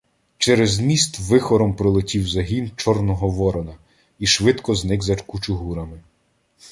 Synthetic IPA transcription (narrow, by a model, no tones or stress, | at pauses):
t͡ʃɛɾezmʲist̪ʋɪxɔɾɔmpɾɔlˠɪtʲiwzɐɦʲint͡ʃɔrnɔɦɔʋɔɾɔnɐ | iʃʋɪt̪kɔznɪɡzɐt͡ʃkut͡ʃʊɦuɾɐmɪ